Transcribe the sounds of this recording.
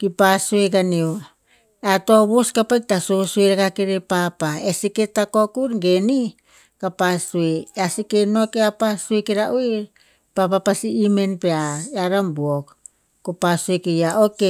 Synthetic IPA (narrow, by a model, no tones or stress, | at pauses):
kipasuekanio | eatoβoskapak̚tasosueɾakakeɾepapaesiketakokuɾɡeni | kapasueasikenokeapasuekeɾaʔui | papapasiːme̞npeaeaɾambuok | kopasuekejaoke